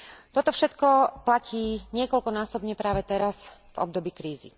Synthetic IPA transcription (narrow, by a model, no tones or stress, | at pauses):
t̪ɔt̪ɔfʃɛt̪kɔplacʰiːɲɪɛkɔlkɔnaːsɔbɲɛpɾaːʋɛt̪ɛɾasvɔ̰b̚d̪ɔbiːkɾiːzḭ